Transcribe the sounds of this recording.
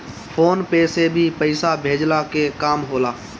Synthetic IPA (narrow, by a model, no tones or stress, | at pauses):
pʰoːnpeːsebʱipəɪsabʱeːd͡ʒlakekaːmɦoːlaː